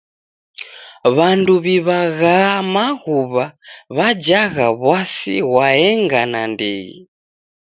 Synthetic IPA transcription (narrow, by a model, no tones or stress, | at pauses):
βanduβiβaɣamaɣuβaβad͡ʒaɣaβwasḭɣwaɛŋɡanandiḭ